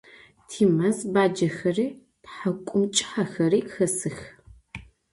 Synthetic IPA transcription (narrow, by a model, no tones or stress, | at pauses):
tʰiːmɐzbaːd͡ʒɐxɐriː | tħakʷʼʊmt͡ʃʼɪ̥ħaxɐɾiːxɐsɨx